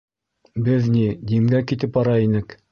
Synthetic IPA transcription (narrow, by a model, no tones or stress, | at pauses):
bɘðnid̪imɡækit̪ɘpɑɾɑinɘk